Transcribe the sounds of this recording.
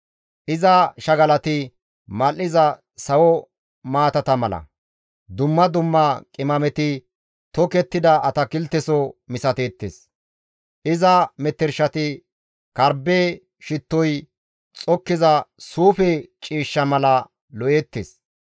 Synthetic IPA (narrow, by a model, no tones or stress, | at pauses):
ʔɪzɐʃɐɡɐlɐt̪ɪ | mɐlːɪzɐ | sɐwɔ | maːt̪ɐt̪ɐmɐlɐ̰ | d̪ʊmːɐd̪ʊmːɐkʼɪmɐmɛt̪ɪ | t̪ɔkɛt̪ːɪd̪ɐɐt̪ɐkɪlt̪ːɛsɔmɪsɐt̪eːt̪ːḛːs | ʔɪzɐmɛt̪ːɛɾʃɐt̪ɪ | kɐɾbeː | ʃɪt̪ːɔj | t͡sʼɔkːɪzɐsuːfɛt͡ʃʼiːʃːɐmɐlɐ | lɔʔjet̪ːḛːs